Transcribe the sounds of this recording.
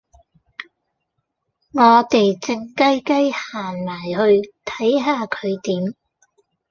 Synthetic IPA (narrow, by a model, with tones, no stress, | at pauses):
ŋɔː˨˧t̪e˨jt͡sɪ˧ŋkɐ˥jkɐ˥jhaː˨˩nmaː˨˩jhɵ˧ɥt̪ʰɐ˨˥jɦaː˧kʰɵ˨˧ɥt̪iː˨˥m